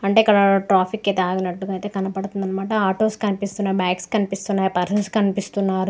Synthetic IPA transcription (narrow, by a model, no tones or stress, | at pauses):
ɐɳʈe̞ːikːɐɽɐʈɾaːpʰikːet̪aːɡinɐʈːuɡɐit̪ekɐnɐpɐɽut̪und̪ɐnːɐmaːʈɐaːʈoːskɐnipist̪unːaːɾbaːkskɐnipist̪unːaːjipɐɾsɐnskɐnipist̪unːaːɾu